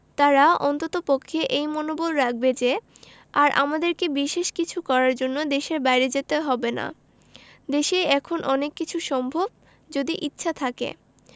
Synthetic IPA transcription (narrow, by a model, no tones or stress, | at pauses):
t̪aɾaɔnt̪ot̪opokʰːeʔejmonobolɾak̚ʰbed͡ʑe | aɾʔa̰mad̪eɾkebiʃeʃkit͡ɕʰukɔɾaɾd͡ʑonːod̪eʃeɾbajɾed͡ʑet̪eɦɔbena̰ | d̪eʃejɛkʰonʔɔnekːit͡ɕʰuʃɔmbʱob | d͡ʑod̪iʔitːɕʰat̪ʰakḛ